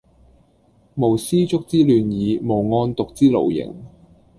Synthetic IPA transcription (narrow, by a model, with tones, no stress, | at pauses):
mo˨˩wsiː˥t͡sʊ˥k̚t͡siː˥lyː˨˧njiː˨˧mo˨˩wŋɔː˧nt̪ʊ˨k̚t͡siː˥lo̰˨˩wjɪ̰˨˩ŋ